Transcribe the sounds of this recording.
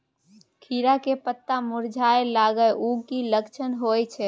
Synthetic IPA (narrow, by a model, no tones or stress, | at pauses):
kʰiɾakepət̪ːamuɾd͡ʒʱaelaɡəʔuɡkiləkt͡ʃʰənɦojt͡ʃʰɛ